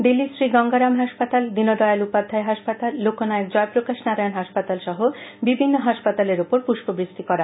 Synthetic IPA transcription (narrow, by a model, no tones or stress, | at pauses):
d̪ilisɾiɡɔŋɡaɾamɦaʃpat̪ald̪inoɖɔealupad̪ʱːaeɦaʃpat̪alːokonaekd͡ʑɔepɾokaʃnaɾaenɦaʃpat̪alʃɔɦobibʱinːoɦaʃpat̪aleɾupoɾpuʃbobɾiʃt̪ikɔɾa